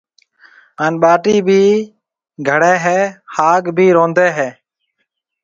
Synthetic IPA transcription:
ɦaːnɓaːʈiːbʱiː | ɡʱəɽeːɦɛːhaːkbʱiːɾõːnd̪eːɦɛː

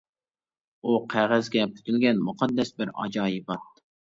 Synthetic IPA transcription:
uqʰæʁæzɡʲɛpʰy̥t̪ʰylɡʲɛnmuqʰɑd̪ːɛsbɪɾɑ̰d͡ʒɑːjibɑt̪̚

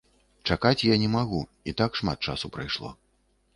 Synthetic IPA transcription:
t͡ʂakat͡sʲjanʲɛmaɣu | it̪akʂma̰t̪̚t͡ʂa̰supɾajʂlˠɔ̰

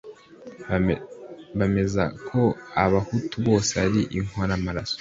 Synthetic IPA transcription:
βame̞zakʰo̞aβahutuβo̞ːseaɾiʔiŋ̥hoɾamaɾaso̥

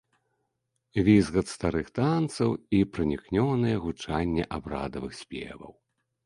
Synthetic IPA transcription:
vʲizɣɐt̪st̪aɾɨxt̪ant̪sɐwipɾɨnʲiknʲɔnɨjɛɣut͡ʂanʲːɛ̰ʔabɾa̰d̪ɐvɨxsʲpʲɛ̰vɐ̰w

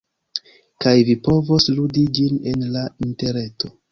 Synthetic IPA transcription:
kajvipo̞vo̞sludid͡ʒine̞nlainte̞ɾe̞to̞

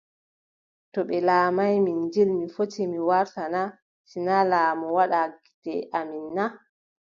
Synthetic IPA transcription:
tɔɓɛlaːmajmind͡ʒilmifotimiwaɾtana | sinalaːmɔwaɗaɡi̥tɛ̰ʔaminːa

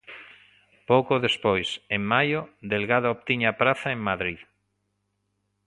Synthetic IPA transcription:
powkoðespojseŋmajod̪elɣaðooβt̪iɲapɾaθaeŋmaðɾið

